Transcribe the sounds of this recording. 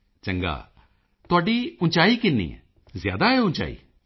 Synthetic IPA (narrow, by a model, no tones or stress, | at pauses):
t͡ʃəŋɡa̰ː | t̪ʊaːɖiːʊ̃nt͡ʃaːikɪnːḭːɛ̰ | zja̰ːd̪aɦɛʊ̃nt͡ʃa̰ːḭː